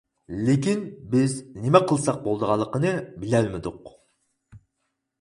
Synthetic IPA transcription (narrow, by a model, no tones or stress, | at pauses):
lekʲinbɪznemɛqʰəlˠsɑq̚bolˠd̪əʁɑlˠːəqənɨbɪlæɾmɪd̪ʊq